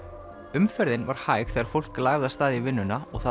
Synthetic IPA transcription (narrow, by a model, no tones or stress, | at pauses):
ʏmfɛɾðɪnvaɾ̥haːjxθɛːɣaɾfowl̥klaːɣɣast̪aːðɪvɪnːʏnaɔɣθa